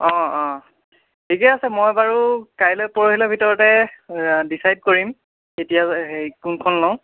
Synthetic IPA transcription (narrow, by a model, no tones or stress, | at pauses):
ɔ̃ɔ̃ | tʰikɛasɛmɔjbaɹukajlɔjpɔɹoɦilɔbʱitɔɹɔtɛ | disajd̚koɹim | etijaekunkʰɔnlɔw̃